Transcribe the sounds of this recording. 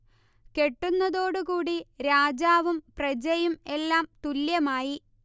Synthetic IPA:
ke̞ʈːunːɐðo̞ːɽukuːɽiɾaːd͡ʑaːʋumprɐd͡ʑɐjume̞lːaːmt̪uljɐmaːji

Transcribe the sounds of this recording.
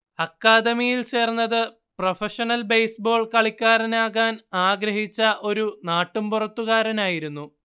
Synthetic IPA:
ɐkːaːd̪ɐmijilt͡ɕe̞ːrnːɐðɨ | profɐʂɐnɐlbejsbo̞ːɭkɐɭikʲːaːɾɐnaːɣaːnaːɡɾɐɦit͡ɕːɐʔo̞ɾunaːʈːumpurɐt̪ːuɣaːɾɐnaːjiɾunːu

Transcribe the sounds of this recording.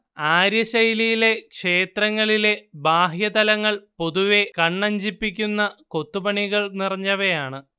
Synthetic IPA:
aːɾjɐɕɐjlijile̞kʂe̞ːt̪ɾɐŋːɐɭile̞baːɦjɐd̪ɐlɐŋːɐɭpo̞ðuʋe̞kɐɳːɐɲd͡ʑipːikʲːunːɐko̞t̪ːupɐɳiɣɐɭnirɐɲːɐʋejaːɳɨ

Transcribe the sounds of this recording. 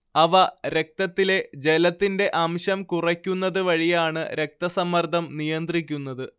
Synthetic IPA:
ɐʋɐɾe̞k̚t̪ɐt̪ːile̞d͡ʑe̞lɐt̪ːinde̞ʔɐmɕɐmkurɐkʲːunːɐðɨʋɐɻijaːɳɨɾe̞k̚t̪ɐsɐmːɐrd̪ʱɐmnijɐnd̪rik̬ʲːunːɐðɨ

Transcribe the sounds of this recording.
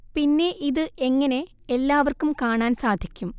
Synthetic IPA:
pinːe̞ʔiðɨʔe̞ŋːɐne̞ | elːaːʋɐrkumkaːɳaːnsaːd̪ʱikʲːum

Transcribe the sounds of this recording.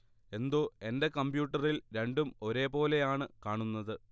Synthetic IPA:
e̞nd̪o̞ːe̞nde̞kɐmbjuːʈːɐrilɾe̞ɳɖumo̞ɾe̞ːpo̞ːle̞jaːɳɨkaːɳunːɐðɨ

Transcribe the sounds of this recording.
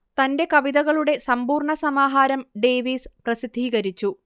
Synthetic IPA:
t̪ɐnde̞kɐʋiðɐɣɐɭuɽe̞sɐmbuːrɳɐsɐmaːɦaːɾɐmɖe̞ːʋiːsprɐsid̪ʱːiːɣɐɾit͡ɕːu

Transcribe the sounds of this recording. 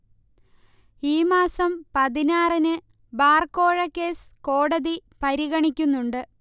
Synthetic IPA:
iːmaːsɐmpɐðinaːrinɨ | baːrko̞ːɻɐkːeːsko̞ːɽɐðipɐɾiɣɐɳikʲːunːuɳɖɨ

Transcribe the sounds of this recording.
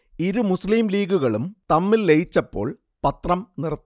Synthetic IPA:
iɾumusliːmliːɡuɣɐɭumt̪ɐmːilːejit͡ɕːɐpːo̞̰ːɭ | pɐt̪rɐmnirt̪ː

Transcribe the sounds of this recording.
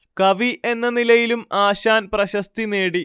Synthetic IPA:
kɐʋiʔe̞nːɐnilɐjilumaːɕaːnprɐɕɐst̪ineːɽi

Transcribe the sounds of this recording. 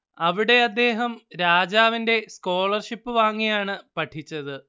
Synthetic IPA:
ɐʋiɽe̞ɐd̪ːe̞ːɦɐmɾaːd͡ʑaːʋinde̞sko̞ːɭɐrʂipːɨʋaːŋːijaːɳɨpɐʈʰːit͡ɕːɐðɨ

